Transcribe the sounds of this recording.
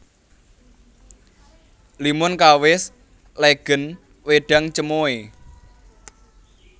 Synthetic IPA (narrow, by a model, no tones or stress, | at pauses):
limʊnkawɪs | leɡ̥ə̤n | weɖ̥a̤ŋt͡ʃəmoe